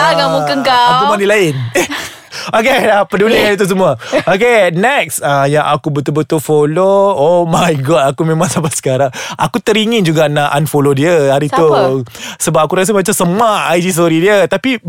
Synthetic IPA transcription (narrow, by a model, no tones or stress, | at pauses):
aɡamukəŋkaakkumanilaɪn | ok̬elapəduliaɾit̪us̬əmuaok̬enɛksajãŋʔakubət̪ʊlbət̪ulfoloomajɡɔʔakumẽmãŋsapasə̥kaɾaŋʔakut̪əɾiŋind͡ʒuɡanaʔanfolodiəhaɾit̪u | səbap̚akuɾas̬əmat͡ʃamsəmaajd͡ʒis̬oɾidiət̪api